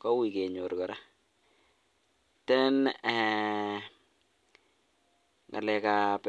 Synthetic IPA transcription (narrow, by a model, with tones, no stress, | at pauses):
kɔ˦wi˨ke˨ɲo˨ɾkɔ˨ɾa˦ | tɛ˦n | ŋa̰˨lɛ˨ka˨p